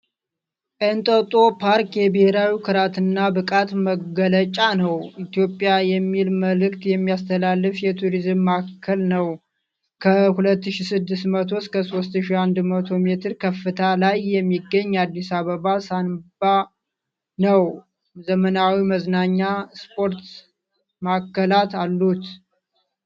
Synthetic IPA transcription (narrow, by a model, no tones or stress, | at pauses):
ʔɨnt̪ʼət̪ʼo̞pʰaɾkjɛbɨhe̞ɾawikʰɨɾat̪ɨnːabɨkʼat̪məɡələt͡ʃʼanəwʔit̪jo̞pʼːjajɛmːilməlɨkt̪jɛmːijast̪ʰəlalːɨfjɛt̪ʰuɾizɨmːakʰːəlnəw | kʰəhulət̪ːɨʃisɨd̪ːɨst̪mət̪ʰo̞skʰəso̞st̪ɨʃiand̪mət̪ʰo̞me̞t̪ʰɨɾkʰəfːɨt̪ʰalajːɛmːiɡːəɲːad̪ːisaβəβasanb̥a | nəw | zəmənawiməznaɲːaspʰo̞ɾt̪ | makːəlat̪alːut̪